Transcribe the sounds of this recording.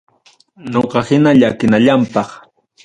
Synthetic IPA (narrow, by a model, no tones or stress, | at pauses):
noqɑhɪnaʎakɪnaʎampɑχ